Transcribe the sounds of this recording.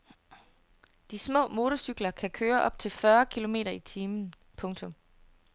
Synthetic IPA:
d̥ismɔ̰̽ːmo̝ːt͡sʰɒsyɡ̥lɐkʰækʰøːɐʔɒ̽b̥̚t͡sʰe̝lfɶɐkʰilo̝me̝̰ːɾɐit͡sʰiːmn̩ | pʰɔ̽ŋt͡sʰɔ̽m

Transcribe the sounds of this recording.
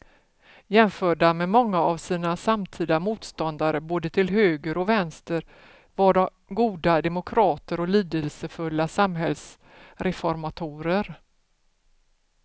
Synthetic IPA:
jɛmfœːɖamɛmɔŋːaavsiːnasamt̪ʰiːd̪amuːt̪st̪ɔnd̪aɾəboːd̪ət̪ʰɪlɦøːɡəɾɔvɛnst̪əɾ | vaɖɔ | ɡuːd̪ad̪ɛmʊkʰɾɑːt̪əɾɔliːd̪əlsəfɵlːasamɦɛls | ɾɛfɔɾmat̪ʰuːɾəɾ

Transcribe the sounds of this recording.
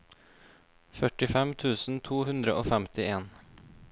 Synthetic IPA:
fœʈɪfɛmt̪ʰʉːsn̩t̪ʰuːhʉnd̪ɾəʔoːfæmt̪ɪeːn

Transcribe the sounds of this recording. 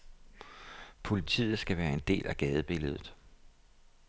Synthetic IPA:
pʰo̝lit͡sʰḭːð̩ˠsɡ̥æʋæːɐe̝nd̥e̝̰ːlʔæɡ̥ɛːð̞ˠəb̥e̝ləð̞ˠð̩ˠ

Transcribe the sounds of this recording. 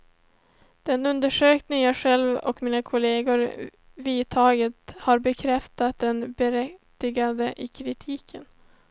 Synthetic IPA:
d̪̥ɛnɵnd̪əʂøːknɪŋjɑɧɛlvɔ̰kmiːnakʰʊleːɡʊɾ | viːt̪ʰɑːɡət̪haɾbɛkʰɾɛft̪at̪̚d̪ɛnbɛɾɛt̪ːɪɡad̪əʔɪkʰɾɪt̪ʰiːkʰən

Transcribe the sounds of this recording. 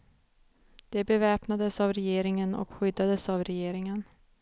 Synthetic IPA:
d̪̥ɛbɛvɛːpnad̪əsavɾɛjeːɾɪŋənɔ̰kɧʏd̪ːad̪əsavɾɛjeːɾɪŋən

